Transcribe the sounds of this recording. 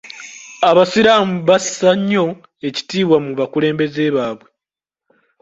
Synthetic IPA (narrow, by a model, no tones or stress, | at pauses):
aβasiɾaːmuβasaɲːo̞ | e̞ci̥tiːβwamuβakule̞ːmbe̞ze̞ːβaːβwe̞